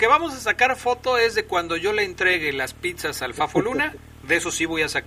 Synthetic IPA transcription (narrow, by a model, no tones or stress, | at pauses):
ke̞βamo̞sasakaɾfo̞t̪o̞e̞zðe̞kwand̪o̞ʝo̞le̞ːnt̪ɾe̞ɣe̞laspit̪sasalfafoluna | ðeso̞siβo̞jasak